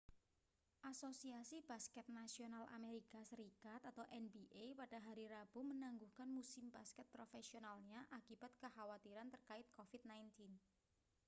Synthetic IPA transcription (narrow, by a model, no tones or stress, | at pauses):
ʔasosiasib̥askɛt̪̚nasionalʔa̰meɾikasəɾikat̪at̪awʔɛnbiʔepad̥aɦaɾiɾab̥umənaŋɡuhkanmusɪmb̥askɛt̪̚pɾofesionalɲaʔakib̥a̤t̪̚kəhawat̪iɾant̪ərkaɪt̪̚kofid̪̚najnt̪in